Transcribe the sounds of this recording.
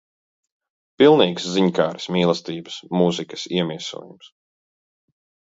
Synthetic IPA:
pilˠniːksziɲkaːɾsmiːlˠɐst̪iːbɐ̥smuzikɐ̥siɛmiɛsṵːjums

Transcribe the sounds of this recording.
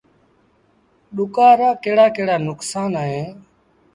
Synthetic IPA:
ɗʊkaːɾaːkeːɽaːkeːɽaːnʊksaːnaːɦeː

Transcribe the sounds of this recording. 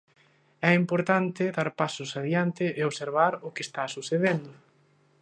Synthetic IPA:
ɛimpoɾt̪ant̪ɪðaɾpasʊsaðjant̪ɪʔeoβseɾβ̞aɾʊkɪest̪asuθeðend̪ʊ

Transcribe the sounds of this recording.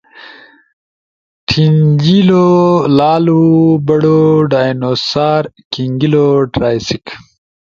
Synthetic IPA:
ʈʰiɲd͡ʑilolaːlubɐɽoɖaːjnosaːɾ | kiŋɡiloʈɾaːjsik

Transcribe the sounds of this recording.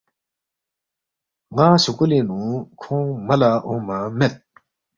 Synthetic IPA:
ŋaɕokulenukʰɔŋmalaʔɔŋmamet̪̚

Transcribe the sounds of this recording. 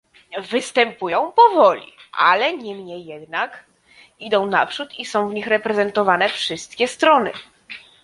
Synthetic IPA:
vɘst̪ɛmpujɔ̃w̃pɔvɔlʲḭʔa̰lɛɲimɲɛjːɛd̪nak | id̪ɔ̃w̃na̰pʂut̪isɔ̃w̃vɲixɾɛpɾɛzɛnt̪ɔvanɛfʂɘst̪kʲɛst̪ɾɔnɘ̰

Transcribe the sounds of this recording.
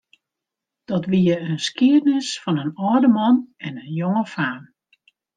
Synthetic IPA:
d̥ɔtʋiəənskiərnɪsfɔnənɔːdəmɔnɛnənjoŋəfaːn

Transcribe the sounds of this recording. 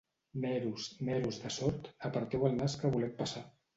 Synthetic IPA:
mɛɾusmɛɾuzðəsɔɾt̪əpəɾt̪ɛwəlˠnaskəβulɛwpəsa

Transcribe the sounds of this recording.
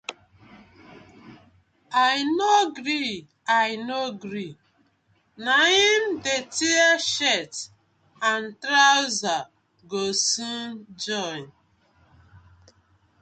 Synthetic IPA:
ajnoɡɾi | ajnoɡɾi | naĩndetiaʃɛt | ãntɾawza | ɡosũnd͡ʒɔjn

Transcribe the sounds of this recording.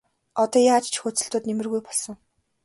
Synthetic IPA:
ɔt̪ɔːjaːt͡ɕt͡ɕʰxɵt͡sɘ̆ɬt̪ʊːt̪nemɘ̆rɣujpɔɮsɞ̆ŋ

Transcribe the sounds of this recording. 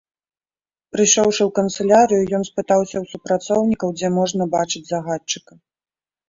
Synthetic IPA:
pɾɨʂɔwʂɨwkɐnt̪sɨlʲaɾɨjujɔnspɨt̪awsʲɐwsupɾat̪sɔwnʲikɐwd͡zʲɛmɔʐnɐbat͡ʂɨd͡zʲzɐɣat͡ʂːɨ̥kɐ

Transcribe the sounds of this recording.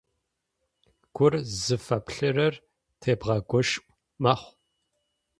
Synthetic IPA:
ɡ̥ʷʊrzɨfɐpɬɨrɐr | tʰeːbʁɐɡʷɔʃʔʷʼ | mɐχʷ

